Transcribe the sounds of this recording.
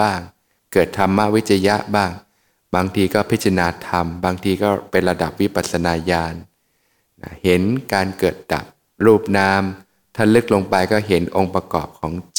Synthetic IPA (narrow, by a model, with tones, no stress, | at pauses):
aː˥˩ŋ | kɤː˨˩t̪ʰːa˧mːa˦˥ʔwi˦˥t̪̚t͡ɕʰa˧ja˦˥ʔbaː˥˩ŋ | baː˧ŋt̪ʰiː˧kɔː˥˩pʰi˦˥t̪̚t͡ɕʰa˧naː˧t̪ʰa˧mbaː˧ŋt̪ʰiː˧kɔː˥˩pe˧nɾa˧da˨˩p̚wi˦˥pa˨˩t̪̚sʰa˧naː˧jaː˧nː | a˦˥he˩˦nkaː˧nkɤː˨˩t̪̚da̰˨˩p̚ | ɾuː˥˩p̚naː˦˥m | t̪ʰaː˥˩lɯ˦˥k̚lo˧ŋpa˧jkɔː˥˩ɦe˩˦nʔo˧ŋpɾa˧kɔː˨˩p̚kʰɔː˩˦ŋt͡ɕ